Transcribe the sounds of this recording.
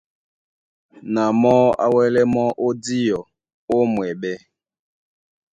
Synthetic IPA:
na˨mɔ˦a̰˦wɛ˦lɛ˦mɔ˦ʔo˦di˦jɔ˨ | o˦mwɛ˨ɓɛ˦

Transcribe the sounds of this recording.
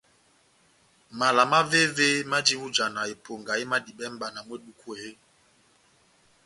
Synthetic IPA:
ma˨la˨ma˦ve˦ve˦ma˦d͡ʒi˦wu˦d͡ʒa˨na˨e˨pʰo˨ŋɡa˨i˦ma˦di˨ɓɛ˦m̩˦ba˨na˨mwe˦ɗu˦kʰu˦˨e˦

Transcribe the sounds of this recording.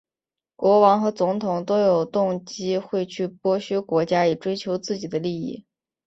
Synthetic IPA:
kwɔ˧˥wɑ˧˥ŋxɤ˧˥t͡sʊ˧˥ŋt̪ʰʊ˨˩ŋt̪o˥ʊjo˨˩ʊt̪ʊ˥˩ŋt͡ɕi˥xwe˥˧ɪt͡ɕʰy˥˩pwɔ˥ɕy˥kwɔ˧˥t͡ɕja˥i˨˩ʈ͡ʂwe˥ɪt͡ɕʰjo˧˥ʊt͡sɹ̩˥˩t͡ɕi˨˩d̪ə˦li˥˧ḭ˥˩

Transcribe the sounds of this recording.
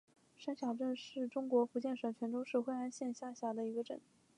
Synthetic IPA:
ʂa˥nɕjɑ˨˩ʊʈ͡ʂə˥˧nʂɻ̩˥˩ʈ͡ʂʊ˥ŋkwɔ˧˥fu˧˥t͡ɕjɛ˥˩nʂɤ˧˩ŋt͡ɕʰɥɛ˧˥nʈ͡ʂo˥ʊʂɻ̩˥˧xwe˥˧ɪa˥˧nɕjɛ˥˧nɕja˥˩ɕja˧˥d̪ə˧i˧˥ɡə˧ʈ͡ʂə̰˨˩˦n

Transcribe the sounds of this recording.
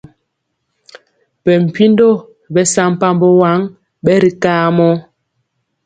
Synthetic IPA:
pɛ˨m̩˨pi˦ndo˦˨ | bɛ˦sa˦m˨pa˦mbɔ˦wa˦ŋ | ɓɛ˦ɾi˨kaː˦mɔ˦

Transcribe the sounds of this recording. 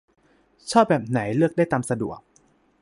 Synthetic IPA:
t͡ɕʰɔː˥˩bɛː˨˩p̚na˩˦jlɯ˥˩ək̚daː˥˩jt̪aː˧msa˧dṵ˨˩ək̚

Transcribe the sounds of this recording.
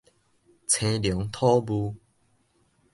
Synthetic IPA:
t͡sʰẽ˧ljɔ˨˦ŋt̪ʰɔ˦bu˧

